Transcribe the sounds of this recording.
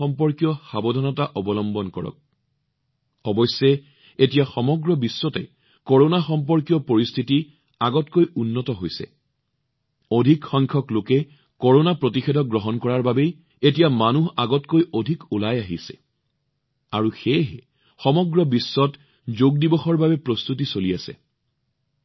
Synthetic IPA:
ɔmpɔɹkijɔxabɔdʱɔnɔtaʔɔbɔlɔmbɔnkɔɹɔ̰k̚ | ɔbɔsːɛ | etijaxɔmɔɡɹɔbisːɔtɛ | kɔɹonaxɔmp̬ɔɹkijɔpoɹistʰiti | aɡɔtkojʔunːɔtɔɦojsɛ̰ | ɔdʱikxɔŋkʰɔklokɛ | kɔɹonapɹotixedʱɔɡɹɔɦɔnkɔɹaɹbabej | etijamanuɦaɡɔtkojodʱikulajaɦḭsɛ̥̰ | aɹuxeɦɛ | xɔmɔɡɹɔbisːɔt | zoɡ̚dibɔxɔɹbabɛpɹostut̬isolijasɛ̰

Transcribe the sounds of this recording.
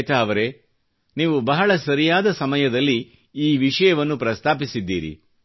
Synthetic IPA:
t̪aːʋɐɾe̞ | niːʋubɐɦɐɭɐsɐɾijaːd̪ɐsɐmɐjɐd̪ɐlːi | iːʋiʂɐjɐʋɐnːupɾɐst̪ʰaːpisid̪ːiːɾḭ

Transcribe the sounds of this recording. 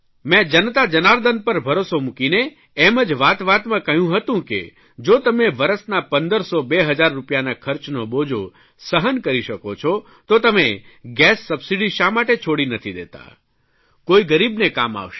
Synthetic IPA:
mɛ̃d͡ʒənt̪ad͡ʒənaɾd̪ənpəɾbʱəɾosomukineː | məd͡ʒʋat̪ʋat̪mãkəɦjũɦət̪ũkḛ | d͡ʒot̪əmeʋəɾəsnapənd̪əɾsobeɦəd͡ʒaɾːupjanakʰəɾt͡ʃnobod͡ʒʱo | səɦənkəɾiʃəkot͡ʃʰɔ | t̪ot̪əmeɡɛsːəbsiɖiʃamaʈet͡ʃʰoɽinət̪ʰid̪ḛt̪a̰ | koiɡəɾibnekama̰ʋʃe

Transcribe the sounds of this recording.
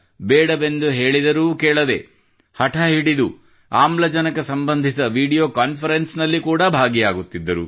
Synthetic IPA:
beːɽɐbe̞nd̪uɦe̞ːɭid̪ɐɾuːkeːɭɐd̪e̞̰ | hɐʈʰɐɦiɽid̪u | aːmlɐd͡ʒɐnɐkɐsɐmbɐnd̪ʱisɐʋiːɽijoːkaːnpʰɐɾensnɐlːikuːɽɐbʱaːɡijaːɡut̪ːid̪ːɐɾṵ

